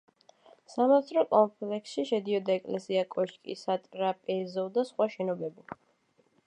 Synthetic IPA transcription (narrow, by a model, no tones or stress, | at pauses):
samat̪sʰɾɔkʼɔmpʰʼlɛksʃiʃɛd̪iɔd̪aɛkʼlɛsiakʼɔʃkʼḭsat̪ʼɾapʼɛzɔd̪asχwaʃɛnɔbɛbi